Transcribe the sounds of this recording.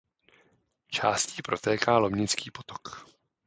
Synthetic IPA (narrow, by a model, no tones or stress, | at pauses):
t͡ʃaːsciːpɾo̞t̪ɛːkaːlomɲɪt͡skiːpot̪o̥k